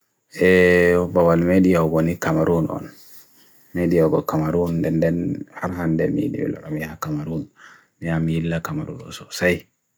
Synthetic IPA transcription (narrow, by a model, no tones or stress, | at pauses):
ʔɛbawalmeɗijawɡonikamaɾunɔ̰n | meɗijawɡɔkamaɾundɛndɛnhaɾɦandɛmḭḭɗḭwḭla̰ɗɔmijakamaɾun | mijamijilːakamaɾṵnɔ̰sɔsaj